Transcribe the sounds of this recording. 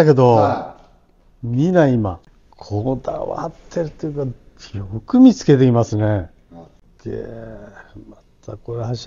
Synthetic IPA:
ake̞d̪o̞ | mʲinaima̰ | kʰod̪a̰βa̰t̪ʰːe̞ɾɯt̪ːejɯka | jokɯ̟mʲit͡sɨ̥ke̞t̪e̞imasɨne | ɡḛ | mat̪ʰakoɾeɦaɕ

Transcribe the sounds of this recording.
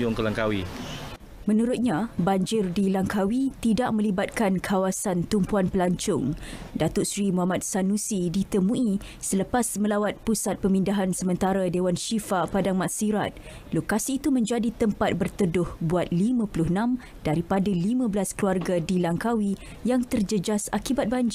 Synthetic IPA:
ʊŋkəlaŋkawi | mə̃nuɾʊt̪̚ɲabaɲd͡ʒɪrdilaŋkawit̪idaʔ̚mə̃libat̪̚kankʰawasant̪umpuanpəlaɲt͡ʃʊŋdat̪ʊʔsɾimuɦamat̪̚sanũsidit̪əmũi | sələpasmə̃lawat̪̚pusat̪̚pəmindaɦansəmə̃nt̪aɾadewanʃifapadaŋmaʔsiɾat̪̚ | lokasiːt̪umə̃ɲd͡ʒadit̪əmpat̪̚bərt̪ədʊhbuat̪̚limãpulʊhnãm | d̥aɾipadalimãblaskluarɡadilaŋkawi | jaŋt̪ərd͡ʒəd͡ʒasa̰kibat̪̚baɲd͡ʒɪr

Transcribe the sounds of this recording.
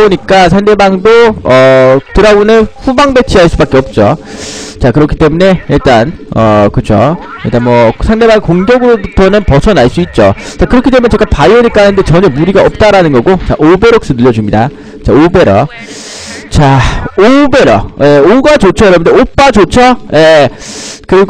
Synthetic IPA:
boɲik͈asʰaŋde̞baŋdoʌtɯɾaunɯɸubaŋbe̞t͡ɕʰiɦaɭs͈ubak͈eʌp̚t͡ɕ͈o̰ | t͡ɕakɯɾʌkʰi̥t͈emune̞iɭt͈anʌkɯt͡ɕʰo̰ | iɭt͈anmwʌsʰaŋde̞baŋekoŋɡjʌɡɯɾobutʰʌnɯnpʌsʰʌnaɭs͈uit̚t͡ɕ͈ot͡ɕakɯɾʌkit͈emnet͡ɕeɡapaiɯɲik͈aɦanɯnde̞t͡ɕʌɲemuɾiɡaʌp̚t͈aɾanɯnɡʌɡot͡ɕa̰ʔobe̞ɾʌk̚s͈ɯnɯʎːʌd͡ʑumɲida | t͡ɕaobe̞ɾʌ | t͡ɕaobe̞ɾʌ̰je̞oɡat͡ɕot͡ɕʰʌɯɾʌmɯndeop͈at͡ɕot͡ɕʰʌje̞ | kɯɾiɡ

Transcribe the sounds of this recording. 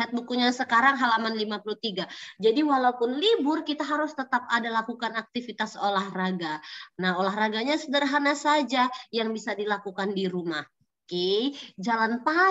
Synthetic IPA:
at̪̚bukuɲasəkaɾaŋɦalamanlimapuluht̪iɡad͡ʒadiwalaupʊnlibʊrkit̪aɦaɾʊst̪ət̪ap̚adalakukanak̚t̪ifit̪asolahraɡanaholaɦraɡaɲasədərɦanasad͡ʒajaŋbisadilakukandiɾumah | ked͡ʒalanpa

